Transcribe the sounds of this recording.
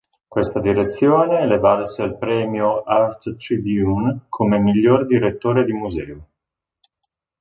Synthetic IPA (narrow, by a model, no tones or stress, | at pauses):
kwest̪ad̪iɾet̪sːjoːneːlevaɾsealpɾɛːmjoart̪t̪ɾibjunkʰomemiʎːord̪iɾet̪ːoːɾed̪imuzɛːo